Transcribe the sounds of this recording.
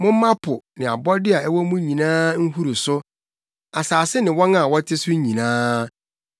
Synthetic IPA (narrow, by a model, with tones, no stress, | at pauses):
mʊ̃˦m̩˦mã˦pʰʊ˨nɪ̃˨a̰˨bɔ˦dɪ˦a˨ɛ˦wɔ˦mũ˦ɲĩ˨nãː˦ŋ̩˦hu˦ɾu˨sʊ˦ | a˨saː˨sɪ˦nɪ̃˨wɔ˦na˦˨wɔ˦tʰɪ˦sʊ˦ɲĩ˨nãː˦